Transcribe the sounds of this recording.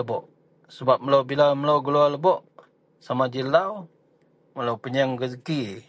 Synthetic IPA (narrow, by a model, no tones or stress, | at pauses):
əbɔʔ | səbap̚məlawbilaməlawɡəlualəbɔʔ | samad͡ʒilaw | məlawpəɲəŋɡəzəki